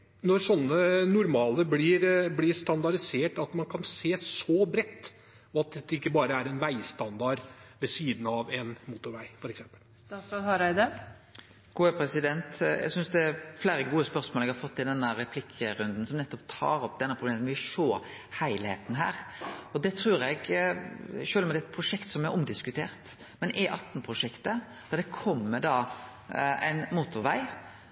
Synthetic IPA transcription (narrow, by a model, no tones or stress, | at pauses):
nɔɾsɔnːənʊɾmɑːləblɪɾblɪst̪ɑnd̪ɑɾɪseːʈɑt̪mɑnkʰɑnseːsɔbɾɛt̪ː | ɑt̪̚d̪ɛt̪ːɛɪkːəbɑːɾəæɾɛnʋæɪst̪ɑnd̪ɑɾʋɛsiːd̪n̩ɑʋɛnmut̪ʊɾʋæɪfɔɾɛksɛmpə̥lt̪ɑːsɑd̪hɑɾæɪd̪əɾ | ɡ̥uːɛpʰɾɛsɪd̪ɛnt̪jɛ̰ɡsʏnsd̪ɛæɾflæːɾəɡuːəspœɾsmoːlɛɡhɑɾfɔt̪ːɪld̪ɛnːəɾɛpʰlɪkʰːəɾʉnd̪n̩sɔmnɛt̪ːɔpt̪ʰɑːɾɔp̚ːd̪ɛnːəpʰʁʊbleːmənʋɪʂoː | hæɪlhḛːt̪n̩ɦæ̰ːɾɔd̪ɛt̪ʰɾʉːɾɛɡ | ʃøːlmɛd̪ɛt̪̚pʰɾʊʂɛkt̪sɔmɛʔɔmd̪ɪskʉt̪ʰeːʁt̪ | mɛnʔɛʔɑt̪ːnpʰɾʊʂɛkt̪ə | d̪̥ɑʁd̪ɛkʰɔmːəd̪ɑ | æ̰ɪnmuːt̪ʊɾʋæɪ